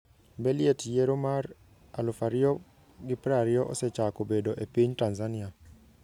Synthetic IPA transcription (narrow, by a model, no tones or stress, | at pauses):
belietjeɾomar | alʊfaɾɪɔ | ɡɪpɾaɾɪɔʔɔ̰sɛt͡ʃakobedoʔepiɲtanzanɪa